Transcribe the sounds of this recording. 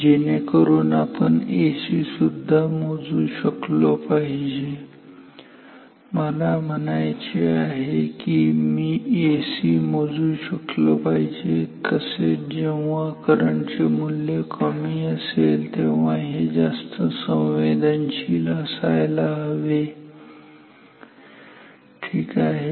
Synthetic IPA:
d͡ʑenekəɾuːnapəɳesisud̪ʱːamod͡zũːɕəklɔpaɦid͡ʑe | məlam̤ənajt͡ɕeaɦekimiːesimɔd͡zũɕəklɔpaɦid͡ʑekəsed͡ʑeʋakəɾəɳt͡semuljekʰəmiːəselt̪eʋaɦed͡zast̪əsə̃wʋed̪ənt͡ɕilasajlaɦəʋe | ʈʰiːkaɦe

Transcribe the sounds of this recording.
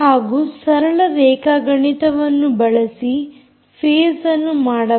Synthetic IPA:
haːɡuːsɐɾɐɭɐɾɛːkaːɡɐɳit̪ɐʋɐnːubɐɭɐsi | pʰeːsɐnːumaːɽɐ

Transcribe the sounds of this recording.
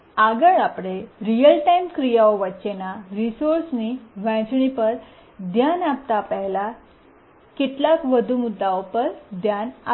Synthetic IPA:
aɡəɭapɽeɾijəlʈajmkɾijaʋoʋət͡ɕenaɾisoɾsniʋãt͡sɳipəɾ | d̪janap̚t̪apəɦla | kiʈ̪lakʋəd̪ʱumud̪ːaʋopəɾd̪jana

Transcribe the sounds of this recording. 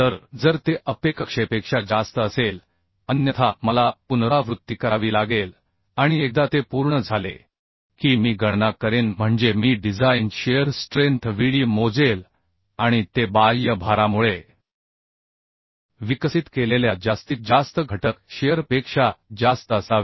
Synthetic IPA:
t̪əɾd͡zəɾt̪eʔəpekəkʂepekʂad͡zast̪əəsel | ənjət̪ʰaməlapunɾaʋɾut̪ːikəɾaʋiːlaɡel | aɽ̃iek̚d̪at̪epuɾɳəd͡zʱalḛ | kiːmiːɡəɽnakəɾenm̤əɳd͡zemiːɖid͡zainɕejəɾsʈɾẽnt̪ʰʋiɭimod͡zel | aɽ̃it̪ebajjəbʱaɾamuɭe | ʋiksit̪keleljad͡zast̪iːt̪̚d͡zast̪əɡʱəʈəkɕejəɾpekʂad͡zast̪əəsa

